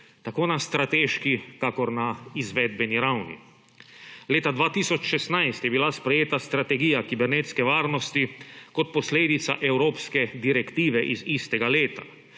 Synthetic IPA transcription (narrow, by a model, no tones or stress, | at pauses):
t̪akoːnast̪ɾat̪eːʃkikakɔɾnaizʋɛd̪bɛniɾawnḭ | leːt̪ad̪ʋaːt̪isɔt͡ʃʃɛst̪najst̪jɛbilaspɾɛjeːt̪ast̪ɾat̪ɛɡiːjakibɛɾnet̪skɛʋaːɾnɔst̪ikɔt̪̚pɔsleːd̪it̪saʔɛwɾoːpskɛd̪iɾɛkt̪iːʋɛʔizist̪ɛɡaleːt̪a